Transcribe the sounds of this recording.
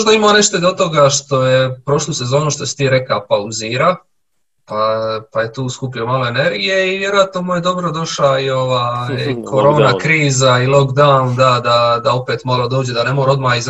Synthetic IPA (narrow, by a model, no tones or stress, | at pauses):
ʒd̪aimaːneʃt̪od̪ot̪o̞ɡaʃt̪o̞je̞pɾo̞ʃluse̞zo̞ːnuʃt̪o̞si̥t̪iːɾe̞kapauziːɾa | papaje̞t̪uːskupiomalˠo̞e̞ne̞ɾɡije̞iʋjeɾoat̪nomujed̪o̞bɾo̞d̪o̞ʃaio̞ʋaːkʰo̞ɾo̞ːnakɾiːzailokd̪and̪ad̪ad̪ao̞peːt̪malˠod̪oːd͡ʑed̪ane̞moɾo̞d̪maːiz